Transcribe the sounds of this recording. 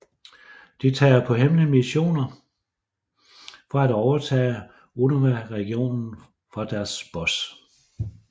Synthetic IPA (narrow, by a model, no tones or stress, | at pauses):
d̥it͡sʰɛ̰ːɐpʰɒ̽ɦemnəmiɕo̝̰ːnɐ | fɒ̽æd̥ɒʊɐt͡sʰɛ̰ː | onɐʋæʁɛɡ̥io̝̰ːnn̩ | fɒ̽d̥æɐsb̥ɒ̽s